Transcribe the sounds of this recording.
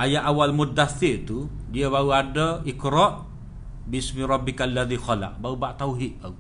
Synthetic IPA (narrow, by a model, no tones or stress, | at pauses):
ʔajaʔawalmud̪aθɪʔt̪udiəβauadəikɾɔʔ | biismiɾˤɑbːikaalːaðixɔla̰ʔ̚baubaʔt̪auɦiʔ̚bau